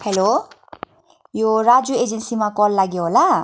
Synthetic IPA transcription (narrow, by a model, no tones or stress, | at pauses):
helo | joɾad͡zued͡zensimakɔlːaɡjoɦola